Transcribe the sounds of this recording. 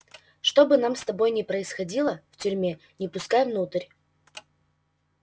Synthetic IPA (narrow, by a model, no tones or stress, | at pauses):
ʂt̪o̞bɨnamst̪ɐbo̞jnʲɪpɾəɪsxɐdʲilˠəftʲʉɾʲmʲe | nʲɪpʊskajvnut̪ɨrʲ